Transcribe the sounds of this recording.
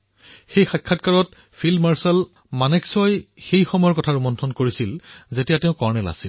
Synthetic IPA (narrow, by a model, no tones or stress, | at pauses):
xejxakʰːatkaɹɔt̚ | fʰilmaɹsɛl | manɛksɔjxejxɔmɔjɔɹkɔtʰaɹumɔntʰɔnkoɹisilzetijateʊ̃kɔɹnɛla̰sil